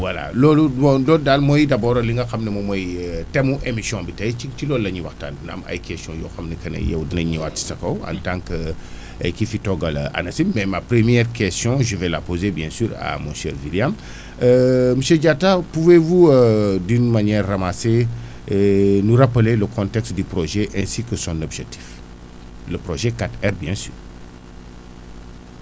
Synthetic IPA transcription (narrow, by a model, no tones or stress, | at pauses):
wala̰lɔluɔ̃lɔdalmɔjdɐbɔːɾliŋɡɐxɐmnɛmɔmɔjtɛmuʔemisjɔ̃bitɐjit͡ʃilɔːlːɐɲiwɐxta̰nnɐ̰mɐ̰jkɛstjɔ̃jɔːxɐmnɛkɐnɐ̰jɛ̰wdinɐɲiwatsɐkɐwã̰ntãŋkə | kifitɔɡɐla̰nɐsimmɛmapɾəmjɛɾkɛstjɔ̃ʒəvɛla̰pozebjɛ̃syːɾa̰mɔ̃ʃɛ̰ːɾviljam | əməseɟatapuvevuədynmanɛrːamase | nuɾapəleləkʰɔ̃ntɛkstdypɾoʒɛʔɛ̃sikəsɔ̃nɔbʒɛk̚tʰi̥f | ləpɾoʒɛkatɛɾbjɛ̃sy̰ːɾ